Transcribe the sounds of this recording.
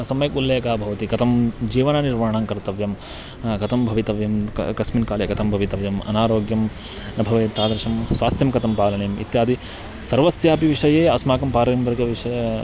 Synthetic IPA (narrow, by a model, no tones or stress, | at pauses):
ɐsɐmɐjɐkulːeːkaːbʱɐʋɐt̪ikɐt̪ʰɐmd͡ʒiːʋɐnɐniɾʋaːɳaːŋkɐɾt̪ɐʋjɐm | kɐt̪ʰɐmbʱɐʋit̪ɐʋjɐm̰kɐsminkaːljɐkɐt̪ʰɐmbʱɐʋit̪ɐʋjɐmɐ̰naːɾoːɡjɐm | nɐbʱɐʋeːt̪aːd̪ɾɐʂɐmswʋaːst̪jɐmkɐt̪ʰɐmpaːlɐɳeːmḭt̪jaːd̪i | sɐɾʋɐsjaːpiʋiʂɐjeːɐsmaːkɐmpaːɾɐɐmʋɐɾɡɐʋiʂɐj